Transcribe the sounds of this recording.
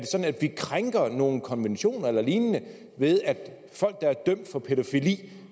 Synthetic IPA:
de̝sɒ̽dn̩æd̥ʋikʰʁaŋɡ̥ɐno̝ːn̩kʰɒ̽nʋenɕo̝̰ːnɐelɐliːnnə | ʋe̝ð̞ˠæd̥ | fɒ̽l̰ɡ̥̚d̥ɑ̈æɐd̥œm̰d̥fɒ̽pʰe̝ɾo̝filḭː

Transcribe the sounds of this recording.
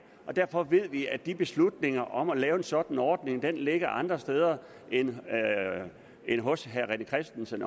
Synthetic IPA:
ʔɒ̽d̥æɐfɒ̽ʋe̝ð̞̰ˠʋiæd̥ib̥e̝slud̥ne̝ŋɐʔɒ̽mælɛːʊe̝nsɒ̽d̥n̩ɒːd̥ne̝ŋd̥enleɡ̥ɐʔɑ̈nd̥ʁɐsd̥eːð̞ˠɐ | en | enɦɔ̽sɦæʁɛnəkʰʁɛsd̥n̩sən

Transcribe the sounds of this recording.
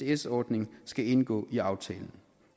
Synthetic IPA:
eesɒːd̥ne̝ŋsɡ̥æe̝nɡ̥ɔ̰̽ːiɑ̈ʊt͡sʰɛ̰ːln̩

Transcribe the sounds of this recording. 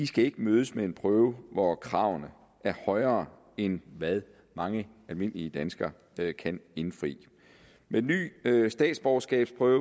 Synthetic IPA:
isɡ̥æe̝ɡ̥əmøːð̞ˠəsmee̝npʰʁœːʊʋɒkʰʁɑ̈ʊnə | ʔæɐhɒ̽ɪɐː | enʋæðˠ | mɑ̈ŋə | ælme̝n̰liəd̥ænsɡ̥ɐ | kʰæne̝nfʁḭː | me̥ny̰ːsd̥ɛ̰ːd̥sb̥ɒʊsɡ̥ɛ̰ːb̥spʰʁœːʊ

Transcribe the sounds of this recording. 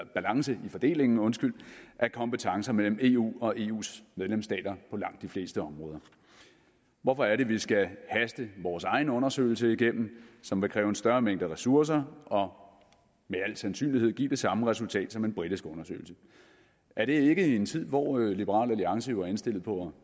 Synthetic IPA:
b̥ælɑ̈ŋsəʔifɒ̽d̥e̝̰ːle̝ŋn̩ɔ̽nsɡ̥yl̰ʔæɐkʰɒ̽mbet͡sʰɑ̈ŋsɐmel̰m̩e̝ːṵːɒ̽ʔe̝ːṵːsmeðˠlemsd̥ɛ̰ːd̥ɐpʰɒ̽lɑ̈ŋ̰d̥ifle̝̰ːsd̥əɒ̽mʁɔ̽ːð̞ˠɐ | ʋɒfɒ̽æɐɾe̝ʋisɡ̥æhæsd̥əʋɒːsɑ̈ɪn̩ɔ̽nɐsø̰ɪl̩səiɡ̥em̰m̩sɒ̽mʋe̝kʰʁɛːʊensd̥ɶɐmeŋ̰d̥əʁɛsuɐs̬ɐɒ̽ | meæl̰sænsy̰ːnlihe̝ð̞̰ˠɡ̥ḭːd̥e̝sɑ̈məʁɛsult͡sʰɛ̰ːd̥sɒ̽me̝nb̥ʁid̥isɡ̥ɔ̽nɐsø̰ːɪl̩sə | æɐɾ̥e̝e̝ɡ̥əent͡sʰið̞̰ˠʋɒ̰ːlib̥əʁɑ̰̈ːlæliɑ̈ŋsəjo̝æɐe̝nsd̥e̝l̰ð̩ˠpʰɒ̽

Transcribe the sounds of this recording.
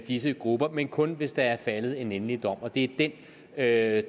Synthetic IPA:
d̥is̬əɡ̥ʁub̥ɐmenkʰɔ̽nʋe̝sd̥ɑ̈æɐfæləð̩ˠe̝nenlid̥ɒ̽m̰ɒ̽d̥e̝æɐd̥en | ø

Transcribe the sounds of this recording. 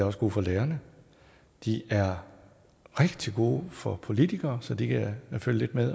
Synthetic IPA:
æɒ̽sɡ̥o̝ːfɒ̽leːɐnə | d̥iʔæɐ | ʁeɡ̥d̥iɡ̥o̝̰ːfɒ̽pʰo̝lit͡sʰiɡ̥ɐːsɒ̽d̥ikʰæføljəle̝d̥̚meðˠ

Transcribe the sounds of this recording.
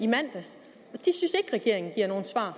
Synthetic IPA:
imæn̰d̥æs | ɒ̽d̥isynse̝ɡ̥ʁɛɡ̥e̝ɐ̰e̝ŋn̩ɡiɐ̰no̝ːn̩sʋɑ̰̈ː

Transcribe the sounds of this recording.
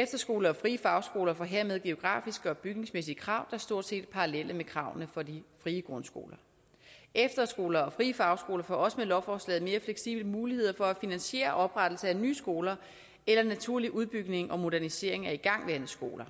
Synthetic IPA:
efd̥ɐsɡ̥o̝ːlɐɒ̽fʁiːəfɑ̈ʊsɡ̥o̝ːlɐfɒ̽ɦe̝ɐ̰með̞ˠɡ̥e̝o̝ɡ̥ʁɑ̰̈ːfisɡ̥əɒ̽b̥yɡ̥ne̝ŋsmesiəkʰʁɑ̈ʊ̰d̥ɑ̈æɐsd̥o̝ɐ̰d̥sḛːd̥̚pʰɑ̈ʁɑlelʔəmekʰʁɑ̈ʊ̰nəfɒ̽difʁiːəɡ̥ʁɔ̽nsɡ̥o̝̰ːlɐ | efd̥ɐsɡ̥o̝ːlɐɒ̽fʁiːəfɑ̈ʊsɡ̥o̝ːlɐfɒ̰ɒ̽səmelɒʊfɒːslɛ̰ːð̩ˠme̝ːɐfleɡ̥sḭb̥ləmuːlihe̝ð̞̰ˠɐfɒ̽æfinænɕe̝̰ːɐʔɒ̽b̥ʁad̥l̩səæny̰ːsɡ̥o̝ːlɐ | elɐnæt͡sʰuɐ̰liʔuð̞ˠb̥yɡ̥ne̝ŋʔɒ̽mo̝d̥æɐnise̝ɐ̰e̝ŋæɐiɡ̥ɑ̈ŋ̰ʋæɐnð̩sɡ̥o̝̰ːlɐ

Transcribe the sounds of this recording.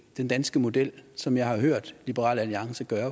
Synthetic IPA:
d̥end̥ænsɡ̥əmo̝d̥el̰sɒ̽mjɑ̈ɪhɑ̈ɦøɐ̰d̥lib̥əʁɑ̰̈ːlæliɑ̈ŋsəɡ̥ɶːɐ

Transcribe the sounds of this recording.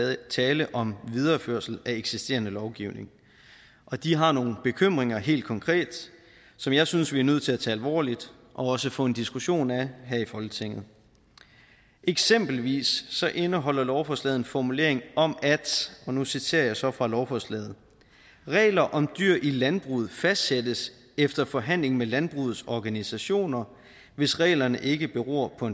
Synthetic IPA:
t͡sʰɛːləʔɒ̽mʋið̞ˠɐføɐ̰sl̩æeɡ̥sisd̥e̝̰ːɐnəlɒʊɡ̥iʊne̝ŋ | ʔɒ̽d̥iɦɑ̈no̝ːn̩b̥e̝kʰøm̰ʁeŋɐɦe̝̰ːld̥̚kʰɒ̽ŋkʰʁɛ̰ːd̥ | sɒ̽mjɑ̈ɪsynsʋiæɐnøð̰ˠt͡sʰe̝læt͡sʰɛːælʋɒ̰ːlid̥ | ʔɒ̽ɒ̽səfɔ̽ːe̝nd̥isɡ̥uɕo̝̰ːnæɦæɐ̰ifɒ̽lɡ̥ət͡sʰeŋ̰ð̩ˠ | ʔeɡ̥sem̰b̥l̩ʋḭːsːɒ̽ʔe̝nəɦɒ̽l̰ɐlɒʊfɒslɛːð̞̩ˠenfɒmule̝̰ɐeŋɒ̽mʔæd̥ʔɒ̽nusit͡sʰe̝̰ɐjɑ̈ɪsɒ̽fʁɑ̈lɒʊfɒslɛ̰ːð̩ˠ | ʁɛ̰ːlɐʔɒ̽md̥yɐ̰ʔilænb̥ʁuð̩ˠfæsd̥sed̥əs | efd̥ɐfɒ̽ɦæn̰le̝ŋ̩melænb̥ʁuːð̩ˠsɒɡ̥ænisæɕo̝̰ːnɐ | ʋe̝sʁɛ̰ːlɐnəʔe̝ɡ̥əb̥e̝ʁo̰ɐ̰pʰɒ̽e

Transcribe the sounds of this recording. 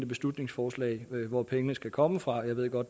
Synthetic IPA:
d̥əb̥e̝slud̥ne̝ŋsfɒːslɛ̰ɪʋɒpʰeŋənəsɡ̥ækʰɒ̽məfʁɑ̈jɑɪʋe̝ð̞̰ˠɡ̥ɒ̽d̥

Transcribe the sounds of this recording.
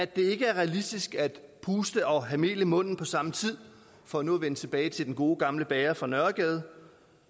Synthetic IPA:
æd̥e̝e̝ɡ̥əæɐʁɛælisd̥isɡ̥æd̥pʰuːsd̥əɒ̽ɦæme̝̰ːləmɔ̽n̰n̩pʰɒ̽sɑ̈mət͡sʰið̞̰ˠ | fɒ̽ænoæʋenət͡sʰe̝b̥ɛːɪt͡sʰe̝d̥enɡ̥o̝ːɡ̥ɑ̈mləb̥ɛːɐfʁɑ̈nɶɐɡ̥ɛːð̞̩ˠ

